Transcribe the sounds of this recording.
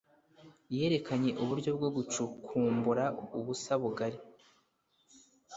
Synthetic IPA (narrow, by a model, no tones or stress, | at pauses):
je̞ːɾe̞kʰaɲe̞ʔuβuɾɟo̞bɡo̞ɡut͡ʃukʰuːmbuɾauβusaβuɡaɾi